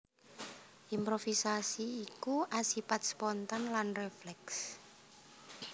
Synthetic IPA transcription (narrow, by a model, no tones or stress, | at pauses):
ʔimpɾofisasiːkuʔasipat̪̚spɔnt̪anlanreflɛks